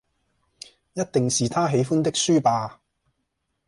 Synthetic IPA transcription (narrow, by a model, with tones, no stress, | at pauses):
jɐ˥t̚t̪ɪ˨ŋsiː˨t̪ʰaː˥ɦe˨˧˥jfuː˥nt̪ɪ˥k̚syː˥paː˧